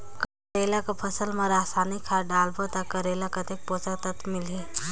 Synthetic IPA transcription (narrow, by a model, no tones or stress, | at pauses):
k | ɾeːlakapʰəsəlmẽɾaːsaːnikʰaːɖaːlbot̪akɐɾeːlakɐt̪ek̚posəkt̪ət̪mɪle